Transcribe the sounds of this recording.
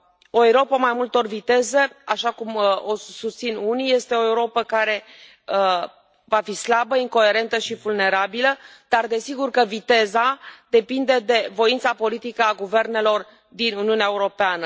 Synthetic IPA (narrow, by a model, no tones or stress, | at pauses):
o̞eɾo̞pamajmult̪o̞rvit̪e̞zeaʃakumosust̪sinunije̞st̪e̞o̞euɾo̞pəkaɾe̞ | ə | vafislabəiŋko̞e̞ɾe̞nt̪əʃivulne̞ɾabilə | d̪̥ard̪e̞siɡurkəvit̪e̞zad̪̥e̞pind̪e̞d̪e̞vo̞int̪sapo̞lit̪ikəaɡuve̞rne̞lo̞r | d̪inuniuneaeuɾo̞peanə